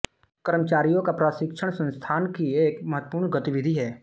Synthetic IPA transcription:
kəɾmət͡ʃaːɾijõkapɾaːʃɪkʃʰəɽ̃sə̃nst̪ʰaːnkieːkmɐɦət̪ːəpuːɾɳɡət̪ɪʋɪd̪ʱiɦɛː

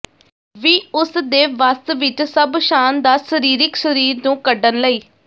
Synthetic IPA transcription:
ʋiːʊsd̪eːʋast̪ʋɪt͡ʃsəbʃaːnd̪aːsəɾiːɾɪksəɾiːɾnũːkəɖənləiː

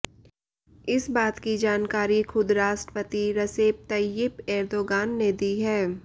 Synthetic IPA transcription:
ɪsbaːt̪kid͡ʒaːnkaːɾixʊd̪ɾaːʃʈɾəpət̪iɾɐseːp̚t̪ɐjɪpɛːɾd̪oːɡaːnːed̪iːɦɛː

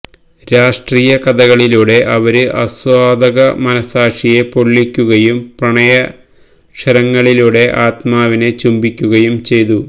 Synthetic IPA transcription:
ɾaːʂʈriːjɐkɐd̪ɐɣɐɭiluːɽe̞ʔɐʋɐɾɨʔɐ̰swaːd̪ɐɣɐmɐnɐsaːʂije̞po̞ɭːikʲːuɣɐjumprɐɳɐjɐ | ʂɐɾɐŋːɐɭiluːɽe̞ʔaːt̪maːʋinet͡ɕumbikʲːuɣɐjumt͡ɕe̞jt̪u

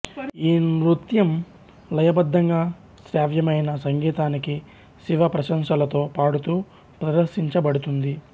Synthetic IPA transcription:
iːɾut̪jɐm | lɐjɐbɐd̪ʱːɐŋɡaː | sɾaːʋjɐmɐjnɐsɐŋɡiːt̪aːniki | siʋɐpɾɐʃɐmʃɐlɐt̪o̞ːpaːɽut̪uː | pɾɐd̪ɐɾʃiɲt͡ʃɐbɐɽut̪und̪i

